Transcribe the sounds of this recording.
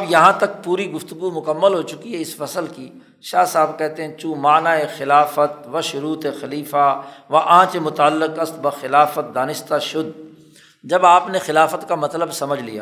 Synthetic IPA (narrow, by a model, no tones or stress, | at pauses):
ɐbjɐɦãt̪ɐk̚puːɾiɡʊft̪ʊɡumʊkəmːəlɦot͡ʃʊkiɦɛɪsfɐsəlki | ʃaːsaːbkɛɦt̪eɦɛ̃t͡ʃũːmaːnaexɪlaːfət̪̚ʋɐʃʊɾuːt̪exɐliːfaʋaʔãːt͡ʃemʊt̪aːlːɪqɐst̪̚bɐxɪlaːfət̪̚d̪aːnɪʃt̪aʃʊd̪ | d͡ʒɐbaːpnexɪlaːfət̪kamɐt̪ləbsɐməd͡ʒʱlḭja̰ː